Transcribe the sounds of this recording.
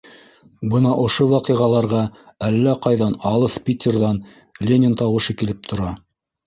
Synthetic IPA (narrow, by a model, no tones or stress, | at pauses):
bɤnɑʔŏʃowɑqɤʁɑlˠɑɾʁɑ | ælːæqɑjðɑnɑlˠɤspʲit̪ʲerðɑn | lʲenʲɪnt̪ɑwɤ̆ʃɤkilɘp̚t̪ʰŏɾɑ